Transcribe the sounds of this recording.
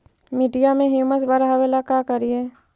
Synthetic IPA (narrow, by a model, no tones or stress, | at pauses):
miɖijamẽɦjuːməsbəɾɦaʋelakakəɾiɛː